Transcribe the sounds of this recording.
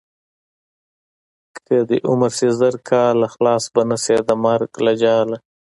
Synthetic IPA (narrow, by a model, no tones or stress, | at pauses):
ktəd̪iʔʊmaɾsezəɾkʰɑːlaxlɑːsbanased̪amaɾklad͡ʒɑːla